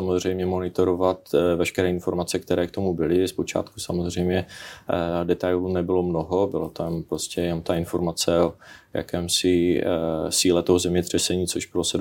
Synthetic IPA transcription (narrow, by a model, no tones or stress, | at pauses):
samo̞zr̝ɛjmɲɛmo̞nɪt̪o̞ɾovat̪vɛʃkɛɾɛːɪnfo̞ɾmat͡sɛk̚t̪ɛɾɛːkt̪o̞mubɪlɪspo̞t͡ʃa̰ːt̪kusamozrɛjmɲɛ | dɛt̪ajlunɛbɪlo̞mno̞ɦo̞bɪlot̪ampɾoscɛjɛno̞mt̪aɪnfo̞ɾmat͡sɛoja̰kɛːmsɪ | siːlɛt̪oɦozɛmɲɛt̪r̝̥ɛsɛɲiːt͡soʒbɪlosɛ